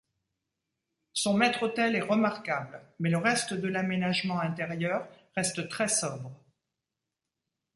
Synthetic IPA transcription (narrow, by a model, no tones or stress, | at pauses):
sɔ̃mɛt̪χot̪ɛlɛʁəmaʁkablmɛləʁɛst̪əd̪əlamenaʒmɑ̃ɛ̃t̪eʁjœʁː | ɛst̪t̪χɛsɔbʁə